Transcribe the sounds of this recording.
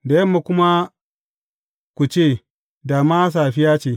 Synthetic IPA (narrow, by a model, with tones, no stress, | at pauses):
da˨jɐ˦mːa˨kʷʊ˦ma˦ | kʷu˨t͡ʃeː˦˨ | da˨ma˦s̬a˨ɸi˦jaː˦t͡ʃeː˨